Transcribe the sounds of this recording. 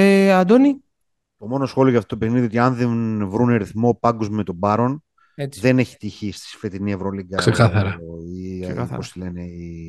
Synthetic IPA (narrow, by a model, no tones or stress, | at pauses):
eɐd̪oni | t̪o̞mo̞no̞sxo̞lioʝɐft̪ot̪opexniðiot̪iɐnðenvɾuneɾiθmo̞pɐŋɡozmmet̪o̞bɐɾo̞n | ðe̞ne̞çi̥t̪içist̪i̥sfet̪inievɾoliɡɐsekɐθɐɾɐiposlenei